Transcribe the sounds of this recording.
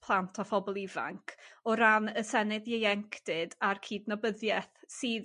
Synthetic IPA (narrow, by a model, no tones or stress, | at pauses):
pʰlˠantʰɔfɔbɔlˠiva̰ŋkʰɔɾanəsɛnɨðjejɛŋkʰd̥ɨdarkʰiːdnɔbəðjɛθsiːð